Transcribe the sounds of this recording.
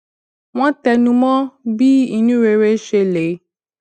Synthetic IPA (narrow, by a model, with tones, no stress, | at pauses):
w̃ɔ̃˦t̪ɛ˧nũ˧mɔ̃˦bi˦i˨nũ˦ɾe˨ɾe˦ʃe˧le˨